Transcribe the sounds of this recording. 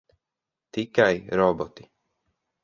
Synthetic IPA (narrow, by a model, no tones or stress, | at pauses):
t̪ʰɪkːajɾɔbɔt̪i̥